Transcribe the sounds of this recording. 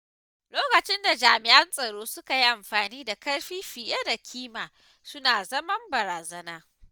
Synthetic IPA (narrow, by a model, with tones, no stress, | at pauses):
loː˦kɐ˨t͡ʃɪ˦nda˨d͡ʒaː˨mɪ˨ʔɐ˦nsʼɐ˨ɽoː˦sʊ˦ka˨ji˦ʔa˨mɸaː˨niː˦da˨kɐ˦ɽɸiː˦ɸi˨ja˦da˨kʲʰiː˦maː˨ | sʊ˦naː˨zɐ˦mɐ˦mbɐ˨ɾaː˨zɐ˦naː˦